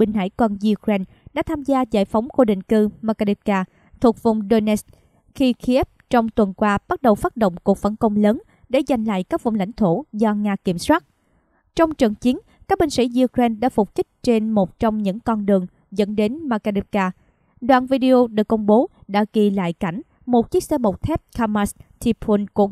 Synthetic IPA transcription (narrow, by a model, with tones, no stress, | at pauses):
ɓï˧˩ŋ̟ɦa̰ː˧˥˩jkwaː˧nzi˧kɹɛ˧jn | ɗa̰ː˧˥t̪ʰaː˧mzaː˧za̰ː˧˩jfɔ˨˦wŋ͡mko˧˦ɗḭ̈˧˨ŋ̟kɨ˧maː˧˩ka˧ɗi˦˧˥p̚kaː˧ | t̪ʰu˨˩ək̚vʊ̰˧˩wŋ͡mɗo˧nɛ˦˥s | xi˧xi˧ʔɛ˦˥p̚t͡ɕɔ˧wŋ͡mt̪wə˨˩nkwaː˧ɓa˦˥t̚ɗə̰˨wfaː˦˥t̚ɗo̰˧˨wŋ͡mku˨˩ək̚fə˧˩nkə˧wŋ͡mləː˨˦n | ɗe˧˩za˨˩jŋ̟la̰ː˧˨jkaː˦˥k̚vʊ̰˧˨wŋ͡mla̰˧˥jŋ̟t̪ʰo˧˩zɔ˧ŋaː˧ki˧˩əmswaː˦˥t̚ | t͡ɕɔ˧wŋ͡mt͡ɕə˨˩ŋt͡ɕi˨˦ən | kaː˦˥k̚ɓi˧ŋ̟sḭ˧˥zi˧kɾɛ˧nɗa̰ː˧˥fu˨˩kï˦˥k̟̚t͡ɕe˧nmo˨˩t̚t͡ɕɔ˧wŋ͡mɲɨ̰˧˥ŋkɔ˧nɗɨ˨˩əŋ | zə̰˧˥nɗe˨˦nmaː˧ka˧ɗi˦˥p̚kaː˧ | ɗwa̰ː˧˨nvi˧ɗi˧ʔo˧ɗɨ˨˩əkːə˧wŋ͡mɓo˨˦ɗa̰ː˧˥ki˧˩la̰ː˧˨jka˧˩jŋ̟ | mo˨˩t̚t͡ɕi˦˥ək̚sɛ˧mo˨˩wk͡p̚t̪ʰɛ˦˥p̚kʰa˧ma˧st̪ʰi˧pʰu˧nku˧˩ə